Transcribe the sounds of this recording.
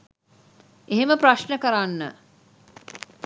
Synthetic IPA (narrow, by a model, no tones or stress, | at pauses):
eɦeməprɾaʃnəkəɾanːə